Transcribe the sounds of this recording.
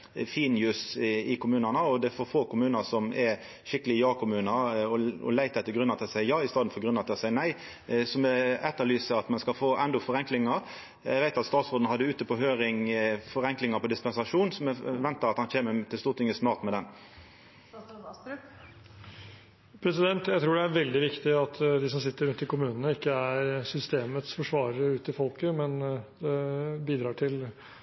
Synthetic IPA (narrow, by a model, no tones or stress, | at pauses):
fiːnjʉːsɪkʰʊmʉːnɑnəɔd̪ɛfɔʁfoːkʊmʉːnəsɔmɛɾ | ʃɪkːəlɪjɑːkʰʊmʉːnəɔɔ̰læɪt̪ɛt̪ːəɡɾʉnːɑt̪ɪsæɪəjɑːɪst̪ɑːd̪n̩fɔɡʁʉnːɑt̪ɑsæɪənæɪ | sɔmɛɛt̪ːəlyːsəɑt̪mɛnskɑlfoːʔɛnd̪ɔfɔʁɛŋklɪŋəɾ | æ̰ɡʋæɪt̪ɑt̪st̪ɑːt̪sɔd̪n̩hɑd̪ːəʉːt̪əpɔɦøːɾɪŋfɔʁɛŋklɪŋəpɔd̪ɪspɛnsɑʂuːnsɔmɛʋɛnt̪əʁɑt̪hɑnçeːmət̪ʰɪlst̪uːʁt̪ʰɪŋːəsnɑːʁt̪mɛd̪ɛn | pʰɾɛsɪd̪ɛnt̪jæɪt̪ʰɾuːɖɛæɾʋɛld̪ɪʋɪkt̪ɪɑt̪d̪ɪs̬ɔmsɪt̪ːəɾʉnt̪ɪlkʰʊmʉːnənəɪkːəæɾsʏst̪eːmət̪sfɔʂʋɑːɾəəʉːt̪əɪlfɔlkəmɛnd̪ɛbiːd̪ɾɑːʈʰɪl